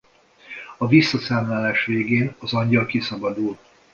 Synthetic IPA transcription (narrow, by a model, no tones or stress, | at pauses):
ɒvisːɒsaːmlaːlaːʃʋeːɡeːnɒzɒɲɟɒlkisɒbɒd̪ul